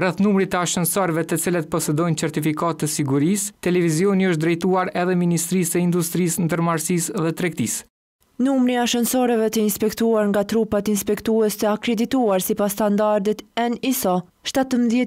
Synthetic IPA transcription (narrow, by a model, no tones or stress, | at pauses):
rɛθnumɾit̪əaʃənsɔɾvɛt̪ɛt͡silət̪̚pɔsɛd̪ɔjnt͡sɛɾt̪ifikat̪ːəsiɡuɾist̪ɛlɛvizjɔniəʃt̪̚d̪ɾɛjt̪uaɾɛðɛminist̪ɾisɛind̪ust̪ɾisnd̪əɾmaɾsisðɛt̪ɾɛk̚t̪is | numɾiaʃənsɔɾɛvɛt̪əinspɛkt̪uaɾŋɡat̪ɾupat̪inspɛkt̪uɛst̪əakɾɛd̪it̪uaɾsipast̪and̪aɾd̪it̪ɛnisɔ | ʃt̪at̪əmðjɛ